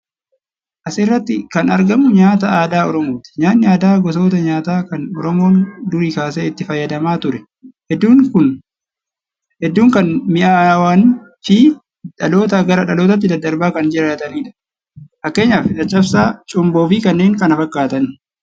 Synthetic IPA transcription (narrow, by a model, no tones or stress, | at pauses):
ʔɐsrːɐt̪ːɪkɐnɐɾɡɐmʊɲaːt̪aaːd̪aːɔɾɔmoːt̪ɪ̥ɲaːnːɪaːd̪aːɡɔs̬o̞ːt̪ɐɲaːt̪aːkɐnɔɾɔmo̞ːnd̪ʊɾiːkaːseɪt̪ːɪfɐjːɐd̪ɐmaːt̪ʊɾɛ | hɛd̪ːuːŋkʊn | hɛd̪ːuːŋkɐnmɪʔaːwaːn | fɪ | ᶑɐlo̞ːt̪̬ɐɡɐɾɐᶑɐlo̞ːt̪̬ɐt̪ːɪd̪ɐd̪ːɐɾbaːkɐnd͡ʒɪɾɐɐt̪ɐniːᶑɐ̥ | fɐkːe̞ːɲːaːfɪᶑɐt͡ʃʼːɐfsaːt͡ʃʼʊmbo̞ːfɪkɐnːe̞ːŋkɐnɐfɐkːaːt̪ɐn